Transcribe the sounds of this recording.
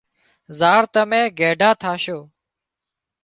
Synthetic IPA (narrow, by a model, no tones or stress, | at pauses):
zaːɾt̪əmẽːɡeːɖʱaːt̪ʰaːʃoː